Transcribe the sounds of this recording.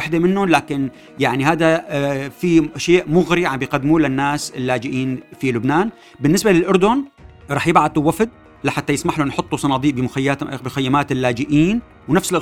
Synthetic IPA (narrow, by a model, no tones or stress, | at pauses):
ħd̪emɪnːʊlaːkɪn | jaʕnihaːd̪afiʔaʃjaːʔmʊɣɾiʕambɪjqad̪ːmuːlɪnːaːsɪlːaːd͡ʒɪʔiːnfilʊbnaːn | bɪnːɪsbalɪlʔʊɾˤd̪ʊn | ɾˤɑːħjɪbʕad̪ɪwafd̪̚ | laħat̪ːajɪsmaħlʊnħʊt̪ˤːusˤɑnɑːd̪ˤiːʔbɪmʊxajːabɪxajːamaːt̪ɪlːaːd͡ʒɪʔiːn | wnafsɪlʔ